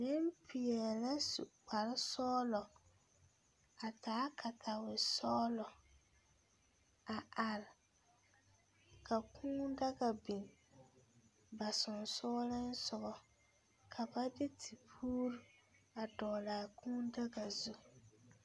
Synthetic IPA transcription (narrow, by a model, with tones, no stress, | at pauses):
nɪ˦mpʰɪ˨ɛ˨la˦sṵ˨k͡pa˨ɾɪ˦sɔː˦lɔ˨ | a˨taː˨˦kʰa˨tʰa˨wɪ˨sɔː˦lɔ˨ | a˨ʔa˨ɾɪ˨ | kʰa˨kʰũː˦da˦ɡa˨bi˨n | ba˨sʊ˨nsɔː˦lɪ˦n˦sʊ˨ɣɔ˨ | kʰa˨ba˦dɪ˦tʰi˨pʰuː˦ɾa˨dɔː˨laː˨kʰũː˦nda˦ɡa˨zu˦